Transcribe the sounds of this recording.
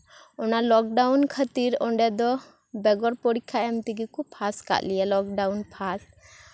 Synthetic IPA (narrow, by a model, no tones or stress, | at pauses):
ɔnalɔk̚ɖawnkʰət̪iɾɔɳɖɛd̪ɔ | bɛɡɔɾpɔɽikʰːaɛmt̪iɡikupʰaska̰ʔlijalɔk̚ɖawnpʰas